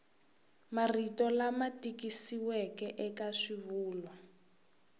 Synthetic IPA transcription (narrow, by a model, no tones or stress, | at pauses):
maritɔlamatikisiwɛkɛʔɛkaʂivuːlɔ